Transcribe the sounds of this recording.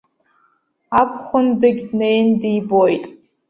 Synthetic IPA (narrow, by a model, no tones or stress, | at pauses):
apʰχʷʊndɨɡʲdnejndiːbojtʼ